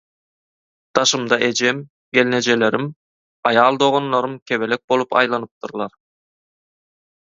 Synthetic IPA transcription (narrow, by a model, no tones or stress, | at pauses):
d̪̥ɑʃɯmd̪ɑʔe̞d͡ʒe̞m | ɡʲe̞lne̞d͡ʒe̞le̞ɾim | ɑjɑːlˠd̪o̞ʁonːɑɾumkʲʰe̞βe̞le̞k̚bo̞lˠupɑ̰jlˠɑnɯp̚t̪ʰuɾlˠɑɾ